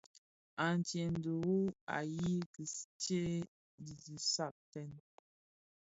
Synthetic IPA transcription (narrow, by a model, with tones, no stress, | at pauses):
a˨n˨t͡ʃje˨n˨˦du˨u˦a̰˨ji˦ki˨st͡ʃe˦ | di˨zi˨sa˦˨k̚tɛ˦˨n